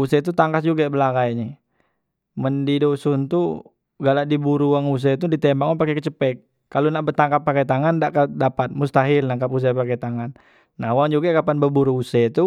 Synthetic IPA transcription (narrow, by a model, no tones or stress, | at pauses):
usɛt̪̬ut̪aŋkasd͡ʒuɡabəlaɡajɲɛ | məndidosunt̪u | ɡaladibuɾuwaŋus̬ɛt̪udit̪ɛmbaŋapakɛkət͡ʃəpɛkː | alunaʔbərt̪aŋkap̚ːakajt̪aŋandaʔkadapat̪̚must̪aɦilnaŋkapus̬ɛpakajt̪aŋanː | awaŋd͡ʒuɡakapanbəbuɾuusɛt̪u